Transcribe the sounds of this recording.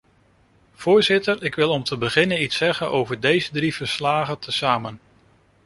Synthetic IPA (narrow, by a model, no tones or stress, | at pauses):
v̥ʊːɹzɪtəɹɪkʋɪlˠɔmtʰəbəχɪnənitsɛχənʔowvəɹdejzədriv̥əɹslaːχətʰəsaːmən